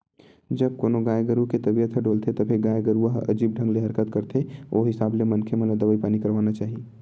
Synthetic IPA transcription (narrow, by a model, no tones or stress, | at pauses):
d͡ʒɐb̚koːnoɡaːjeɡəɾuket̪ɐbijət̪ʰəɖoːlt̪ʰet̪ɐbʱeɡaːjeɡəɾuəɦɐ̰d͡ʒiːb̚ɖʱə̃ŋɡleɦɐɾkət̪kəɾt̪ʰeoːɦɪsaːblemɐnkʰemẽlad̪ɐʋəipaːnikɐɾʋaːnat͡ʃaːɦie